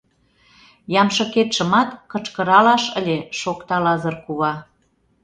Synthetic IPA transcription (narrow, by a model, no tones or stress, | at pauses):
jɑmʃɤ̆ket̪ʃə̆mɑt̪kɤt͡ʃkə̆ɾɑlɑʃəlʲeʃokt̪ɑlɑzərkuβɑ